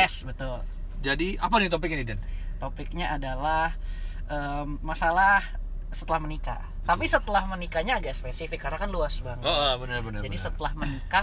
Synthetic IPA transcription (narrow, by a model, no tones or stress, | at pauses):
ɛsbət̪ʊl | d͡ʒadiʔap̬adit̪op̬ɪk̚ɲadidɛnt̪opɪk̚ɲaʔadalah | əmːasalah | sət̪əlahmənika̰ | t̪apisət̪əlahmənikaɲaːɡaʔspesifɪkːarnakanluasbaŋəoʔbənərbənəd͡ʒadisət̪əlahmənika